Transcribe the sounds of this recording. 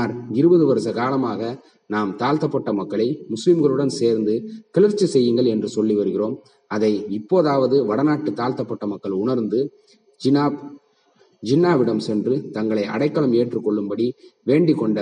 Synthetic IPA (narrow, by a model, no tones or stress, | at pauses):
aːɾɪɾɯbɐðɯʋɐɾɐsɐkaːlɐmaːɣɐ | naːmt̪aːlt̪ɐpːɐʈːɐmɐkːɐɭɐɪmʊslɪmɣɐɭɯɽɐnseːɾnd̪ɯkɛlɐɾt͡ʃːɐsɛjːɯŋɡɐɭɛndrɯsɔlːiʋɐɾɯɣɪroːm | ɐðɐɪɪpːoːðaːʋɐðɯʋɐɽɐnaːʈːɯt̪aːlt̪ɐpːɐʈːɐmɐkːɐɭʊɳɐɾnd̪ɯ | d͡ʒɪnaː | d͡ʒɪnːaːʋɪɽɐmsɛndrɯt̪ɐŋɡɐɭɐɪʔɐ̰ɽɐɪkːɐɭɐmeːʈrɯkːɔɭːɯmbɐɽiʋeːɳɖɪkːɔɳɖɐ